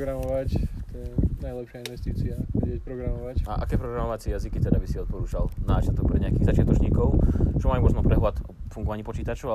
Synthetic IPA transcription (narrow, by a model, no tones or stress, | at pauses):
ɡɾamɔʋact̪ɔjɛnajlɛpʃɪainʋɛst̪iːt͡siaʋɛɟɛc̚pɾɔɡɾamɔʋacaʔa̰kɛːpɾɔɡɾamɔʋat͡sɪɛjazikit̪ɛd̪abisiɔt̪̚pɔɾuːt͡ʃalnaːt͡ʃɪat̪ɔk̚pɾɛɲɛakiːɣzat͡ʃɪat̪ɔt͡ʃɲiːkɔʊt͡ʃɔmajumɔznɔpɾɛɦlat̪ɔfuŋɡɔʋaɲiːpɔt͡ʃiːt̪at͡ʃɔa